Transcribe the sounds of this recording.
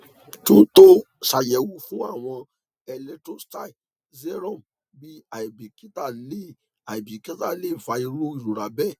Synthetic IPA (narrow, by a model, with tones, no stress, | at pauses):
tũ˦to˦ | ʃa˨jɛ˨wu˨˦fũ˦a˦˨w̃ɔ̃˧ | ɛ˧lɛ˧tɾo˦sta˦˨i˨ | zɛ˦ɾɔ̃˦˨m | bi˦a˨i˨bi˨ki˦ta˦˨le˦ | a˨i˨bi˨ki˦ta˦˨le˦˨va˧˦i˧ɾo˦i˦˨ɾo˨ɾa˨bɛ˦˨